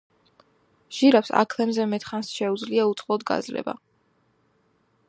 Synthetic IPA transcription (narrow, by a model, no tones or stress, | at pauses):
ʒ̥iɾapsa̰kʰlˠɛmzɛmɛt̪χansʃɛud̪zliaut̪sʼqʼlɔd̪ɡa̰zlɛ̰ba̰